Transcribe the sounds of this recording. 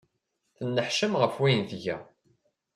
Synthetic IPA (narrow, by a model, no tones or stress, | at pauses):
θənːəħʃəmʁəfwæjnθʝæ̰